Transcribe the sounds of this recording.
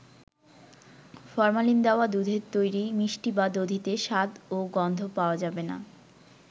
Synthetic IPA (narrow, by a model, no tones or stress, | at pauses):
fɔɾmalind̪ɛoad̪ud̪ʱeɾt̪ojɾimiʃʈibad̪od̪ʱit̪eʃad̪oɡɔnd̪ʱopaoad͡ʑabena̰